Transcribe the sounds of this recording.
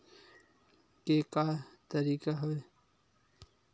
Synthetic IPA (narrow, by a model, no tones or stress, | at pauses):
kekat̪ɐɾiːkaɦoe